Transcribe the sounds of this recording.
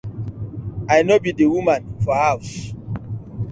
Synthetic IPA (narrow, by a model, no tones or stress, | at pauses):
ajnobidewumãnfɔhaws